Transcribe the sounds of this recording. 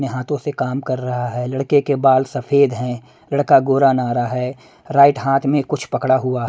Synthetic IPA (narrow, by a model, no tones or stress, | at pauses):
nẽɦaːt̪õsekaːmkɐɾːɐɦaɦɛːlɐɽkekebaːlsɐfʰeːd̪ɦɛ̃ | lɐɽkaɡoːɾanaːɾaɦɛː | ɾaːɪʈɦaːt̪ʰmẽkʊt͡ʃʰpɐkɽaɦʊaɦ